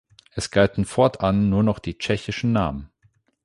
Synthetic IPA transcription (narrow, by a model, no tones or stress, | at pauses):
ʔɛsɡ̥altn̩fɔɐtʔanːuːɐnɔχd̥iːt͡ʃɛçɪʃn̩naːmən